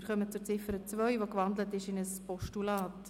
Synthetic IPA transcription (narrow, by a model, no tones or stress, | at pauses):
ɪɾχœmət͡sʊɾt͡sɪfəɾət͡svœʏʋokʋɑndlətɪʃɪnəspɔʃtulɑːt